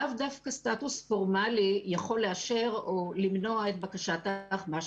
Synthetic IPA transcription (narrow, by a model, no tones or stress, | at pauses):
avdafkastatusfo̞ʁmalijaχo̞lːeaʃe̞ʁolimno̞aet̪̚bakaʃataχmaʃ